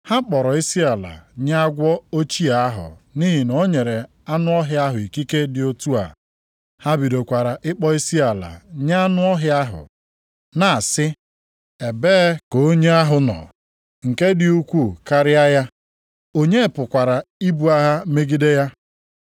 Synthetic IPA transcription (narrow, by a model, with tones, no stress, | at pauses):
ha˦k͡pɔ˨ɾɔ˨i˦si˦a˨la̰˨ɲa˦a˦ɡʷɔ˦o˦t͡ʃi˦a˨a˦ɦʊ̰˨ni˦ɦɪ˨no˨˦ɲe˨ɾe˨ | a˦nʊ˦ɔ˦ɦɪ˦a˦ɦʊ˨i˨ki˦ke˦dɪ˨o˦tu˦a̰˨ | ha˦bi˨do˨kʷa˨ɾa˨ʔɪ˦k͡pɔ˦i˦si˦a˨la̰˨ɲa˦a˦nʊ˦ɔ˦ɦɪ˦a˦ɦʊ̰˨ | na˨sɪ˦ | e˨beː˦ko˨˦ɲe˦a˦ɦʊ˨nɔ̰˨ | ŋ̩˨ke˦dɪ˨u˦kʷu˦˨ka˦ɾɪ˦a˦ja˦ | o˦ɲe˦˨pʊ˨kʷa˨ɾa˨i˦bu˨a˦ɦa˦me˦ɡi˦de˦ja˦